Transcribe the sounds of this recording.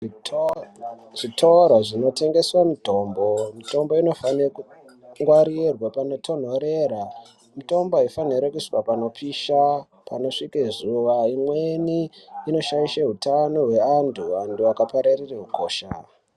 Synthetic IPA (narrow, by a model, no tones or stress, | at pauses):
ʐitʰoɾaʐino̞te̞ŋɡe̞swamito̞ːmbo̞mito̞mbo̞ino̞faneku | ŋɡwaɾirwapano̞tʰo̞n̤o̞ɾe̞ɾa | mito̞mboifaniɾekuʂi̥kapano̞pʰiːʃa | pano̞ʂikezuʋaimweniːno̞ʃaiʃaɦutano̞ɦwe̞andʰuanduakapaɾarireɦuko̞ːʃa